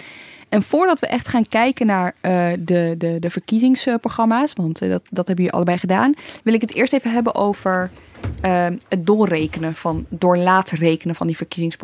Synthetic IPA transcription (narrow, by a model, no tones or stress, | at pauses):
ʔɛnv̥ʊːɹdɑtʋəʔɛχtχaːnkɛjkənaːɹədədədəv̥əɹkizɪŋsproχrɑmaːsʋɑntdɑtdɑtɦɛbəyʔɑ̰ləbɛjχədaːnʋɪlˠɪkətɪ̰ːɹstejvəɦɛbənʔowv̥əɹəɦət̚dolˠrejkənəv̥ɑndʊːɹlaːtrejkənəvɑndivəɹkizɪŋsp